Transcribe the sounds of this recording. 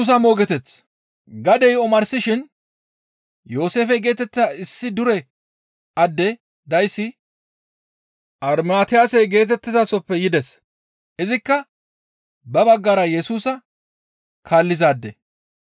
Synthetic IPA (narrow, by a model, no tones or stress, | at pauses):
uːs̬ɐmo̞ːɡɛt̪ɛt͡s | ɡɐd̪ɛjɔmɐɾsɪʃɪn | jo̞ːse̞ːfɛɡe̞ːt̪ɛt̪ːaɪsːɪd̪ʊɾɛ | ʔɐd̪ːɛ | d̪ɐjsːɪ | ʔɐɾmaːt̪ɪjaːsɛjɡe̞ːt̪ɛt̪ːɪzasɔpːɛjɪd̪ɛs | ʔɪzɪkːɐ | bɐbɐɡːaɾɐjɛsuːsɐ | kʰaːlːɪzaːd̪ːɛ̰